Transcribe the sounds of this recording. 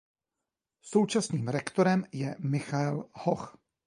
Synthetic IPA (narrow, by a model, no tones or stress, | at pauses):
so̞wt͡ʃasniːmɾɛkt̪oɾɛmjɛmɪxaɛlhox